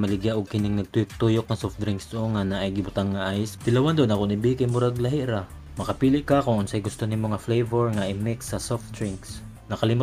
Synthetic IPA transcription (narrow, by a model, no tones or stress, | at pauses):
mɐlɪɡjaʔʊɡ̚kɪnɪŋnɐɡ̚t̪ujʊk̚t̪ujok̚ŋɐsofd̪ɾɪŋksd̪ʊoŋanaʔajɡɪbʊt̪aŋːaʔajsd̪̥ɪlɐwand̪onɐkʊnɪbikajmʊɾaɡlɐɦɪʔɾa | mɐkɐpiːlɪʔkakʊŋʊnsajɡʊst̪onɪmoŋɐflejvɛɹŋaʔɪmɪksɐsoft̪̚d̪ɾɪŋks | nɐkɐlɪmʊ